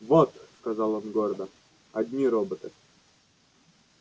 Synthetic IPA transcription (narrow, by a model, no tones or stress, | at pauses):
vot̪skɐzɑlˠonɡoɾəd̪ə | ɐd̪ʲnʲiɾobət̪ɨ